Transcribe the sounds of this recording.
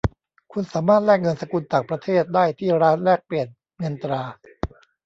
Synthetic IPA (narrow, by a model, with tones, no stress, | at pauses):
kʰu˧nsaː˩˦maː˥˩t̪̚lɛː˥˩k̚ŋɤ˧nsa˧ku˧nt͡ɕ̪aː˨˩ŋpɾa˧t̪ʰeː˥˩t̪̚daː˥˩jt̪ʰiː˥˩ɾaː˦˥nɾɛː˥˩k̚pli˨˩ən̚ | ŋɤ˧nt̪ɾaː˧